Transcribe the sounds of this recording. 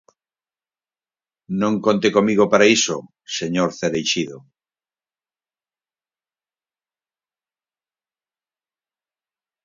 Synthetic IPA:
nõŋkont̪ekomiɣ̞opaɾaiso̰ | seɲoɾθeɾejʃiðo

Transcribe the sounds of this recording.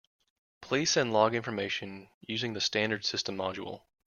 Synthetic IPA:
pʰl̥isɛ̃nlɔɡɪ̃ɱfə˞meɪʃɨ̃njʉzɪ̃ŋðɨstæ̃ndə˞d̥sɪstə̃mɑd͡ʒṵl̩ˠ

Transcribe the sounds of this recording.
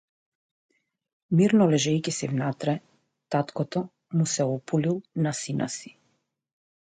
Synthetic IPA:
miɾnɔlɛʒɛjkisɛvnat̪ɾɛ | t̪at̪kɔt̪ɔ | musɛɔpulilˠnasina̰si̥

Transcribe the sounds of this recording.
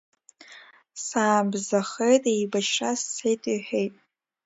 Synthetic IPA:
saːbzaχejtʼejbaʃrasːʰejtʼiħʷᶣejtʼ

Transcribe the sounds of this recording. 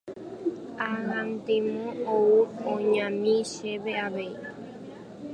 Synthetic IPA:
ahãnt̪ẽmõouõɲãmĩʃeβeaʋei

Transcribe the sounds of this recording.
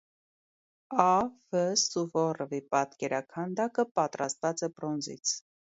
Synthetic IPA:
ɑvəsuvɔrəvipɑt̪kɛɾɑkʰɑnd̪ɑkəpɑt̪ɾɑ̰st̪vɑt͡sɛbrɔnzḭt͡sʰ

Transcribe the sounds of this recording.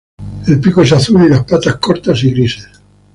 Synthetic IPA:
elpikoesaθulilaspat̪ahskoɾt̪asiɣɾises

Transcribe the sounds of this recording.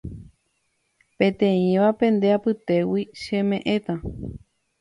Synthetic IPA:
pẽ̞t̪ẽĩʋapẽ̞nd̪e̞apɨt̪e̞wiʃẽ̞mẽ̞ʔẽ̞t̪ã

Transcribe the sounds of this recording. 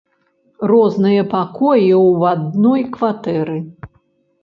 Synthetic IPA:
rɔznɨjɐpakɔjiwad̪̚nɔjkvat̪ɛɾɨ

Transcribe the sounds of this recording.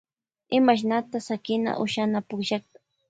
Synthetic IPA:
ɪmaʃ̬nat̪asakɪna̰ʔʊʃanapʊkʃɑχt̪ḁ

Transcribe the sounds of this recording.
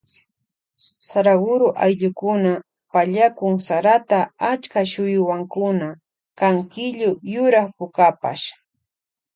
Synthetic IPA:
saɾaɡʊɾʊʔajʎʊkʊna | paʎakʊŋsaɾat̪aat͡ʃkaʃʊjʊwaŋkʊna | kaŋkɪʎʊjʊɾaχpʊkapa̰ʃ

